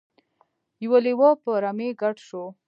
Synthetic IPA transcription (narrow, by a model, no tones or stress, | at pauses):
jwaliwapəɾameɡaʈʃo